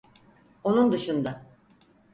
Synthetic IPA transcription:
o̞nund̪ɯʃɯnd̪a

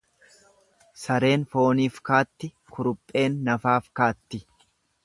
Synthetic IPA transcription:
sɐɾe̞ːnfo̞ːniːfkaːt̪ːɪ | kʰʊɾʊpʼːe̞ːnːɐfaːfkaːt̪ːɪ

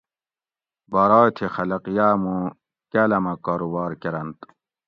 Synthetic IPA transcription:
bɐɾɑːt̪ʰexɐlɐqijaːmũ | kalɐmɐkaːɾubaːɾkeɾɐnt̪

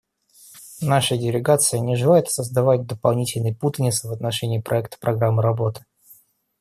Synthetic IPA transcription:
naʂədʲɪlʲɪɡat̪sɨjənʲɪʐɨlˠajɪt̪səzd̪ɐvat̚ʲd̪əpɐlˠnʲitʲɪlʲnɨjput̪ənʲɪsvət̪nɐʂɛnʲɪːpɾʔɐɛk̚t̪ə̥pɾʔɐɡɾamːɨɾɐbo̞t̪ɨ̥

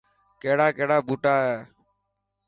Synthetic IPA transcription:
keːɽaːkeɦɽaːbuːʈaːɦeː

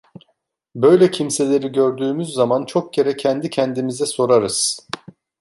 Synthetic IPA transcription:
bø̞jlʲɛcʰimse̞lʲe̞ɾiɟø̞ɾd̪yːmyzːamant͡ʃʰo̞k̚je̞ɾɛcʰænd̪icʰænd̪imizɛso̞ɾaɾɯz̥

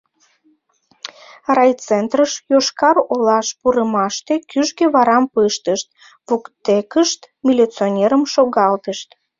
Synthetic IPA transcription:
rɑjt͡sent̪rəʃjoʃkɑrolɑʃpuɾəmɑʃt̪ekyʒɣeβɑɾɑmpɨʃt̪əʃt̪̚ | βukt̪ekəʃt̪ | mʲilʲit͡sonʲeɾəmʃoɣɑlt̪əʃt̪

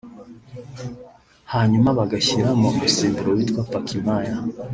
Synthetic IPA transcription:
haɲumaβaɡaɕiɾamoɡusiːmbuɾowitkwapakʰimaja

